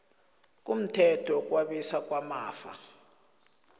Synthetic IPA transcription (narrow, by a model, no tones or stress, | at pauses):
k̬ʼum̩tʰɛtʰɔk̬ʼwaɓisak̬ʼwamaːfa̰